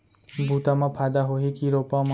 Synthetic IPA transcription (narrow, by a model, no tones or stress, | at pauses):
but̪amapʰad̪aɦoɦikiɾopam